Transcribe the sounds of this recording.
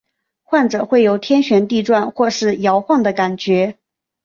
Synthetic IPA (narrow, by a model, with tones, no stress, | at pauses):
xwa˥˩nʈ͡ʂɤ˨˩xwe˥˩ɪjo˧˥ʊt̪ʰjɛ˥nɕɥɛ˧˥nt̪i˥˧ʈ͡ʂwa˥˧nxwɔ˥˧ʂɻ̩˥˩jɑ˧˥ʊxwɑ˥˩ŋd̪ə˩ka˨˩nt͡ɕɥɛ˧˥